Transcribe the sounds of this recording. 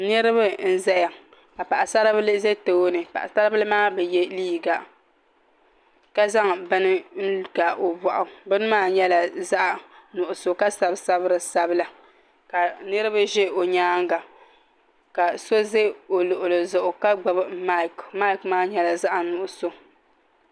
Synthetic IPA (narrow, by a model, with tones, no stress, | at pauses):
nɨ˦ɾɨ˦ba˦n̩˦zɛ˦ja˨ | ka˨pa˨ʔa˨sa˦ɾblze˦to˦o˦nɨ˨pa̰˨ʔa̰˨sa˦ɾɨ˦bɨ˦lɨ˦maː˦bɛ˨jɛ˦liː˦ɡa˨ | ka˦za˦ŋbɨ˦nɨ˦n̩˦ɡa˨o˨ba˨ʔʊ˨bɨ˦nɨ˦maː˦ɲɛ˦la˨za˦ʔnʊ˨ʔʊ˨so˨ka˦sa˨bsa˦bɨ˦ɾɨ˨sa˨bɨ˦la˨ | ka˨nɨ˦ɾɨ˦ba˦ʒɛ˦o˨ɲaː˦ŋ˦ɡa˨ | ka˨so˦ze˦o˨lo˨ʔʊ˨lo˨zʊ˨ʔʊ˨ka˦ɡ͡ba˨bma˦˨kma˦i˦˨kmaː˦ɲɛ˦la˨za˦ʔa˨nʊ˨ʔʊ˨so˨